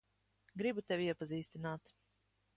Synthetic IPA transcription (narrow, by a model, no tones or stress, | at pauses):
ɡɾibut̪ɛvʲiɛpaziːst̪inaːt̪